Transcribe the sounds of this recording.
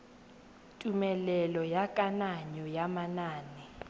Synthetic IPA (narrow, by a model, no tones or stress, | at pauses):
tʼumɛlɛlɔjakʼanaɲɔjamanaːnɛ